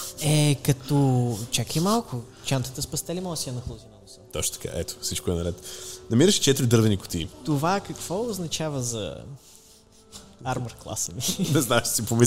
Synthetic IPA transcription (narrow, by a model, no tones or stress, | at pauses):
ɛkɐt̪ɔt͡ʃakimalˠkʊ | t͡ʃant̪ə̥t̪əspɐst̪ɛlimɔsiɐnɐxlˠozimɛlˠosɔt̪ɔt͡ʃt̪t̪ɐka̰ʔɛt̪o̥sit͡ʃkoɛnɐɾɛt̪nɐmiɾəʃi̥t͡ʃɛt̪iɾʲid̪ɤɾvɛnikʊ̥t̪ḭt̪ovakɐkv̥ɔʊznɐt͡ʃavəzɐ̰ | aɾmɐɾklˠa̰səninɛznaɛʃsipomi